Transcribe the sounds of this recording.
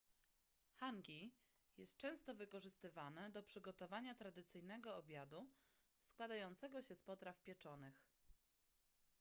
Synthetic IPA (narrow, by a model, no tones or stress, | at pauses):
xaŋɡʲi | jɛst̪̚t͡ʂɛ̃w̃st̪ɔvɘkɔʐɘst̪ɘvanɛd̪ɔpʂɘɡɔt̪ɔvaɲat̪ɾad̪ɘt̪sɘjnɛɡɔɔbʲjad̪u | skwad̪ajɔnt̪sɛɡɔɕɛspɔt̪ɾafpʲjɛt͡ʂɔnɘx